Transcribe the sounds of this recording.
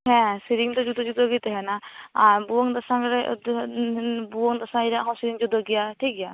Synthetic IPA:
ɦɛ̃siɾiŋt̪ɔd͡ʒud̪ɔd͡ʒud̪ʱɔɡit̪ɛɦɛnaaɾbuɔŋd̪ɔsaŋɾɛd̪ | buɔŋd̪ɔsaiɾɛaɦɔ̃siɾiŋd͡ʒud̪ʱɔɡijatʰikija

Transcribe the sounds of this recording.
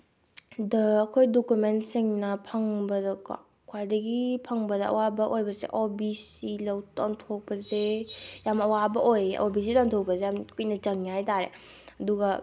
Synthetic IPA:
dɐːkʰojdokumentsiŋnɐpʰɐŋbɐdɐka̰ | kʰwajdɐɡipʰɐŋbɐdɐɐ̰wabɐʔojbɐzḛʔobisilɐwtaŋtʰok̚pɐzejamɐwabɐʔojḛʔobisilaŋtʰok̚pɐzejamkujnɐt͡ʃɐŋjajtaɾḛ | ɐduɡɐ

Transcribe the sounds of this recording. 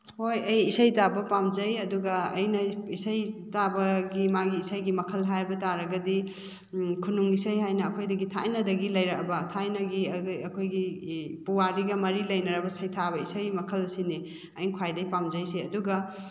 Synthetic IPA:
hojɐjisɐjtabɐpamzɐjɐduɡɐɐjnɐisɐjtabɐɡimaɡiːsajɡimɐkʰɐlɦajbɐtaɾɐɡɐdi | kʰunuŋisɐjɦajnɐːkʰojdɐɡitʰa̰jnɐdɐɡilɐjɾɐkɐbɐtʰajnɐɡiɐjɐkʰojɡipuwaɾiɡɐmɐɾilɐjnɐɾɐbɐsɐjtʰabɐisajmɐkʰɐlɐsine | ɐjnkʰwajdɐipamzɐjseɐduɡɐ

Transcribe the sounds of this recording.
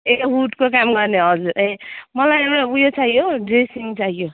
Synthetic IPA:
eɦuʈkokamɡʌrneɦʌd͡zuɾemʌlajewɽabujot͡saɦijoɖresiŋt͡saɦijo

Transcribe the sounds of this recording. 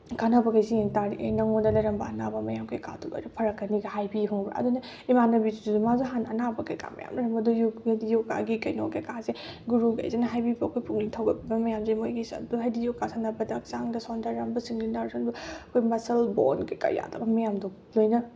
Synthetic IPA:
kanabɐkajzieŋtaɾiʔenɐŋondɐlɐjɾɐmbɐɐnabɐmɐjamkʰajka̰tula̰ɾupʰɐɾɐkːɐniɡɐɦajbibʰɔŋbɾa̰ʔɐ̰dunɐ | imanɐbizuduzumazuɦanɐnabɐkɐjka̰mɐ̰ja̰mlɐɾɐmbɐdujuedijoka̰ɡikɐjno̰kekazeɡuɾuɡa̰jzenɐɦajbibɐːkʰojpʰuŋnitʰɐwɡɐt̚bibɐmɐjamziimojɡisɐ̰duɦajdijokasʰanɐbɐdɐːk̚saŋdɐsɔndaɾambɐsiŋlinaɾsʰɔnbɐɐkʰojmɐsɐlbo̰nkajka̰ja̰dɐbɐmɐjamdu | lojnɐ

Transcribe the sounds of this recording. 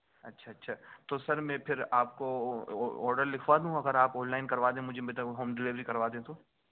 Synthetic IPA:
ɐtːʃʰaɐtːʃʰaːt̪osɐɾmɛ̃ːpʰɪɾaːp̚ko | ɔːɾɖəɾlɪkʰʋaːd̪ɦũɐɡəɾaːpɔ̃ːnlaːɪnkɐɾʋaːd̪ẽmʊd͡ʒʱebet̪aɦoːmɖɪlɪʋɾikɐɾʋaːd̪eɦẽt̪oː

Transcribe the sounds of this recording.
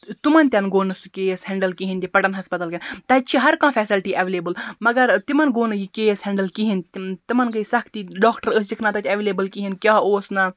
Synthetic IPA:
t̪umɐnʲt̪ʲjɐnɡoːnɐsukeːsɦɛɳɖɐlkiɦinʲt̪ʲipɐʈɐnɦɐspɐt̪ɐlkʲɐnt̪ɐt͡ʃʰiɦɐɾkãːfʰɛːsilʈiːʔɐʋeːleːbəlmɐɡɐɾt̪imɐnɡoːnɨjikeːshɛ̃ɳɖɐlkiɦint̪imɐnɡɐisɐkʰt̪iɖɔːkʰʈɐɾəs̬d͡ʒikʰnaːt̪ɐt̪ʲʰɐʋeːleːbəlkiɦinkʲjaːoːsnɐ

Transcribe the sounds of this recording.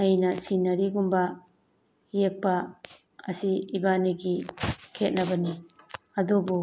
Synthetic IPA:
ɐjnɐsinɐɾiɡumbɐ | jek̚pɐ | ɐsiibaniɡikʰet̚nɐbɐni | ɐdubu

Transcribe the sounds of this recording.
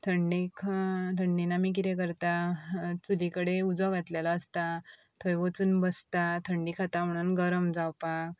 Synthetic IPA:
t̪ʰəɳɖikʰt̪ʰəɳɖinamik̬it̪ek̬əɾt̪at͡sulikəɽeud͡zɔɡʱat̪ljalaːst̪a | t̪ʰəjʋət͡suːnbəst̪at̪ʰəɳɖikʰat̪am̤əɽ̃uːnɡəɾəmd͡zawpak̚

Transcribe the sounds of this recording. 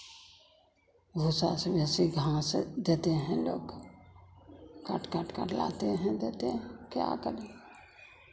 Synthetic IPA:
bʱusasebɛːsiɡʱãsed̪eːt̪eɦɛ̃lo̰ːɡ | kə̰ʈkəʈkə̰ɾla̰ːt̪eɦɛ̃d̪eːt̪eɦɛ̃kja̰kəɾe

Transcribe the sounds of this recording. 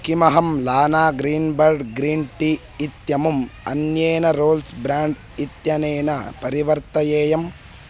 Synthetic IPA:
kimɐɦɐmlaːnaːɡɾiːnbɐɾɖɡɾiːnʈiː | t̪jɐmumɐ̰njeːnɐɾoːlsbɾaːɳɖ | it̪jɐneːnɐpɐɾiʋɐɾt̪ɐjeːjɐm

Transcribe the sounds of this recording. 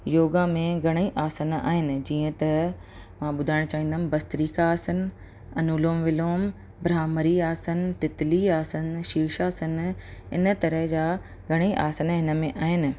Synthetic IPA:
joːɡãmẽɡʱɐɽ̃iʔaːsəna̰ːɦɪnɪ̆d͡ʑiːə̃t̪ɐ | mãːɓʊd̪ʱaːɪɽ̃t͡ɕaːɦĩːnd̪aɪ̃n̆bɐst̪ɾiːkaaːsən̆ | ɐnuːloːmʋɪloːm | bɾaːməɾiaːsən̆t̪ɪt̪ɪliaːsənʃiːʃaːsənɪ̰nə̆t̪ɐɾəɦd͡ʑaː | ɡʱɐɽ̃iʔa̰ːsənɦɪnə̆mẽʔaːɦɪnɪ̆

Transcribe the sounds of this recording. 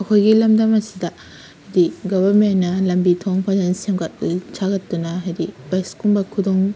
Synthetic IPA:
ɐkʰojɡilɐmdɐmɐsidɐ | hajdiɡobɐɾmenːɐlɐmbitʰoŋpʰazɐnsemɡɐt̚t͡ʃʰaɡɐtːunɐɦajdibajskumbɐkʰudoŋ

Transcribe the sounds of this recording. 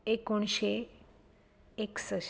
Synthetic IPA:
ekoɳ̃ɕe | eksə

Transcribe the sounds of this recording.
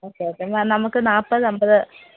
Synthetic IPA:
oːkːeoːkːemanɐmɐkːɯnaːpːɐðɯɐmbɐðɨ

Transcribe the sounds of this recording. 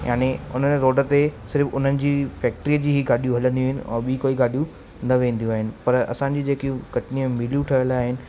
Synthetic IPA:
ja̰ːneʊ̰n̤ənɪ̆ɾoːɖə̆t̪esɪɾfʊn̤ənɪ̆d͡ʑiːfɛːk̚ʈɾijəd͡ʑiːɦiɡaːɗijũɦɐlə̃nd̪iũːɦɪnɪ̰ɔ̰̃ːɓikoːiɡaːɗijũ | nɐʋẽːn̆d̪ijũaːɦɪnɪ̆pɐɾɐ̰sãɲd͡ʑiːd͡ʑeːkiũkɐʈɪniemɪlijũʈʰɐjəlaːɦɪnɪ̆

